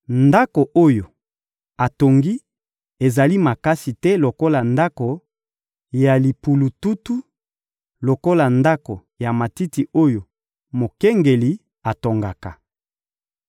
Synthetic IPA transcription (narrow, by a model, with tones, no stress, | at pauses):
nda˦ko˨ʔo˦jo˨ | a˨to˨ŋɡi˦ | e˨za˨li˦ma˨ka˦si˨tɛ˦lo˨ko˦la˨nda˦ko˨ | ja˨li˨pu˨lu˨tu˦tu˦ | lo˨ko˦la˨nda˦ko˨ | ja˨ma˨ti˦ti˨o˦jo˨ | mo˨kɛ˦ŋɡe˨li˨ | a˨to˨ŋɡa˨ka˨